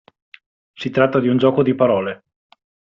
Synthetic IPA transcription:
sit̪ɾat̪ːad̪iund͡ʒɔːkod̪ipaɾɔːle

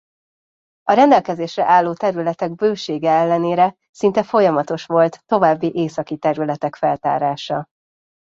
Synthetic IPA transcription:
ɒɾɛnd̪ɛlkɛzeːʃrɛ̰ʔaːlːoːt̪ɛɾylɛt̪ɛɡ̚bøːʃeːɡɛɛlːɛneːɾɛ | sint̪ɛfo̞jɒmɒt̪o̞ʃʋo̞lt̪ːo̞vaːbːiʔeːsɒkit̪ɛɾylɛt̪ɛkfɛlt̪a̰ːɾaːʃɒ

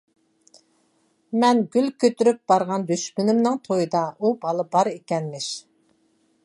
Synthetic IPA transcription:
mɛnɡʲylkʲʰøt̪yɾyp̚b̥ɑɾʁɑnd̪yʃmynɪmnɨŋt̪ʰojɨd̪ɑʔubɑlˠɨbɑɾekʲɛnmɪʃ

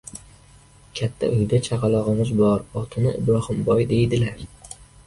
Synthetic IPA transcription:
kʲʰat̪ʰːa̰ʔʊjd̪at͡ʃʰɑqɑlˠɒʁɨmɪzbɒɾɒt̪ʰɪnɪɪ̰bɾɒhɪmbɒjd̪e̞jd̪ɪlaɾ

